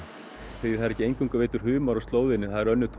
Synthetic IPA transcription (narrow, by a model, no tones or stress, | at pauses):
θehaðɾɛcːɪejŋkuŋkaveːt̪ʏɾ̥ɦʏːmaɾɔst̪loːwðɪnːɪθaðɪɾœnːʏt̪ʰ